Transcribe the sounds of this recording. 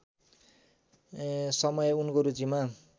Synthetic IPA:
sʌmʌjeunkoɾut͡sima

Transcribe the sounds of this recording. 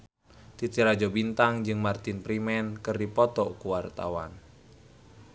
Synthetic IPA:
t̪it̪iɾad͡ʒɔbint̪aŋd͡ʒɨŋmart̪inpɾimɛnkɨrdipɔt̪ɔkuwart̪a̰wa̰n

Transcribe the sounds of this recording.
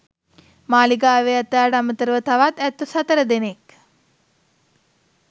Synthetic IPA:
maːliɡaːʋeat̪aːɖəamət̪əɾəʋət̪aʋat̪æt̪ːusat̪əɾəd̪enek

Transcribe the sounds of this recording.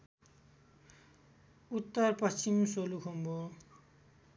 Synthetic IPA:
ut̪ːʌrpʌst͡ɕimsolukʰombo

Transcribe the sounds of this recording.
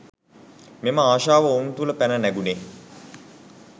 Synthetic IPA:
meməaːʃaːʋəont̪uləpænənæɡune

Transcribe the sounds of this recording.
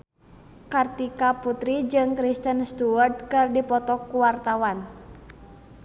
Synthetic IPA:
kərt̪ikaput̪ɾid͡ʒɨŋkɾist̪ənst̪uərt̪̚kɨrdipɔt̪ɔkːuwart̪awan

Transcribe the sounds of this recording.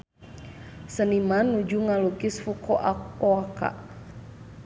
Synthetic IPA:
sənimanːud͡ʒuŋalukisfukʰɔʔaoaka̰ʔ

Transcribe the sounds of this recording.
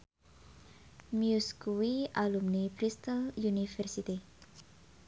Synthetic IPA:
mjuskuwialumnibɾist̪aljunifɛrsit̪i

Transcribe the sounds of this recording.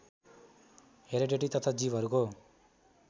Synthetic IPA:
ɦeɾeɖeʈit̪ʌt̪ʰad͡zibʱʌɾuko

